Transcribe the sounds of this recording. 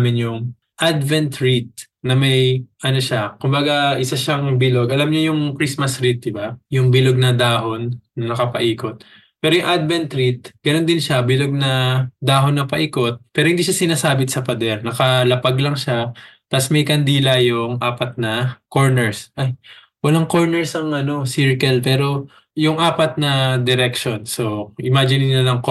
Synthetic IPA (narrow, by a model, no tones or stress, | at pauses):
mɪnjʊŋ | ʔad̪vɛnt̪ɹit̪̚ | nɐmɐjʔɐno̞ʃakʊmbɐɡaʔɪsaʃaŋbɪlo̞ɡʔɐlamɲojʊŋkɾismɐsɾit̪̚d̪ɪbajʊŋbɪloɡ̚nɐd̪aːɦo̞nːɐnɐkɐpɐʔiːko̞t̪̚ | pɛːɾojʊŋʔad̪vɛnt̪ɾit̪̚ɡ̥ɐno̞nd̪ɪnʃabɪloɡ̚nɐd̪aːɦo̞nːɐpɐʔiːko̞t̪̚pɛːɾohɪnd̪iːʃasɪnaːsaːbɪt̪sɐpɐd̪ɛɾnɐkɐlɐpaɡlɐŋʃat̪ɐsmɛjkɐnd̪iːlɐjʊŋʔaːpɐt̪̚nɐko̞ɹnɛɹsʔaj | wɐlaŋko̞ɹnɛɹsɐŋʔɐno̞siɹkɛlpɛːɾo̞ | jʊŋʔaːpɐt̪̚nɐd̪ɛɾɛkʃo̞nso̞ʔɪmaːd͡ʒɪnɪnɐlɐŋk